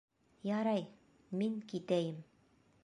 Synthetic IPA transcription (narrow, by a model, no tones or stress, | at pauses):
jɑɾɑj | miŋkit̪æjɘm